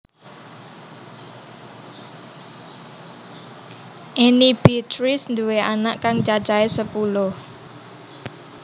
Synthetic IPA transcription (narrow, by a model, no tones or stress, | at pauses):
ʔenib̥it̪ɾɪsnd̪uweanaʔkaŋt͡ʃat͡ʃaesəpulʊh